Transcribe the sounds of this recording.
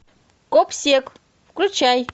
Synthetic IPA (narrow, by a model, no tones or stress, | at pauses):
kopsʲek | kɾut͡ʃaj